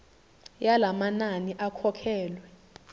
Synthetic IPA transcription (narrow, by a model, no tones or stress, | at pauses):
jalamananiʔakʰɔkʰɛːlwɛ